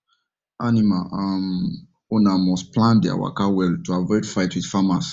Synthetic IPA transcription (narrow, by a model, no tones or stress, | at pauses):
ʔanimaʔam | ɔnamɔsplãnda̰wa̰kawɛltuavɔɪtfaɪtwið̥famas